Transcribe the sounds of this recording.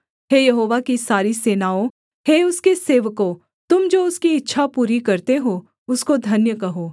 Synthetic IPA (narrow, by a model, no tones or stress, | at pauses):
heːjɐɦoːʋakisaːɾiseːnaːõ | heːʊskeseːʋko | t̪ʊmd͡ʒoːʊskiɪtːʃʰapuːɾikɐɾt̪eɦo | ʊskod̪ʱɐnjəkɐɦoː